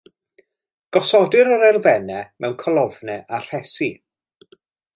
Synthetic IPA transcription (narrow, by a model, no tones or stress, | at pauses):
ɡ̥ɔsɔdɨɾəɾɛrvɛnɛmɛwnkʰɔlˠɔvnɛʔar̥ɛsi